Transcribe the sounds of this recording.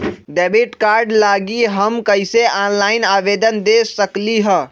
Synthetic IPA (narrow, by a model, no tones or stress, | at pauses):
ɖɛbiʈkaɾɖlaɡiɦəmkəɪseʔanlaɪnabed̪ənd̪esəkliɦə